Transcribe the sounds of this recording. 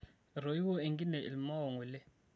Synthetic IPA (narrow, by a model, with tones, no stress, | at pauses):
ɾo˨ji˦wɔ˦e˨ŋɡi˦nɛ˨ʔḭ˨lma˦wɔ˨ŋu˨lɛ˦